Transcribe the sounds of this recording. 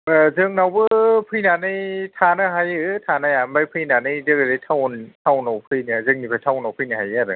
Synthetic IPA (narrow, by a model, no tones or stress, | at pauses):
zɯŋnawbɯpʰɯjnanɯjtʰanɯɦajɯtʰanajamajpʰɯjnanɯjzɯɡɯɾejtʰawntʰawnawpʰɯjnɯzɯŋnipʰajtʰawnawpʰɯjnɯɦajaɾɯ